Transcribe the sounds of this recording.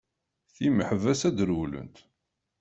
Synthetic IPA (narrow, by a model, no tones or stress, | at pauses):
θiməħvæsæd̪əɾwlə̰nt̪